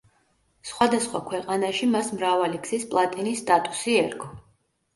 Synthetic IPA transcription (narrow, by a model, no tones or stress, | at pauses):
sχwad̪asχwakʰwɛqʼanaʃimasmɾavaliksispʼlˠat̪ʼinisːt̪ʼat̪ʼusiɛɾkʰɔ